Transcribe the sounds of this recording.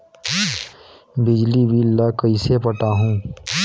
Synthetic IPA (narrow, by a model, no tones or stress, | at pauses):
bɪd͡ʒlibʱiːlːakəisepəʈaːɦũː